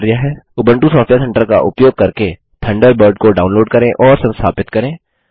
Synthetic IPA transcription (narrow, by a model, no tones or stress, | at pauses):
ɾɪjaɦɛːʊbə̃ɳʈusɔːfʈjat̪ʰɐ̃ɳʈəɾka̰ʔʊpjoːɡ̚kɐɾke | t̪ʰɐ̃ɳɖəɾbəɾɖkoɖaːʊ̃nloːɖ̚kɐɾẽʔɔːɾsɐ̃nst̪ʰa̰ːpɪt̪kɐɾẽː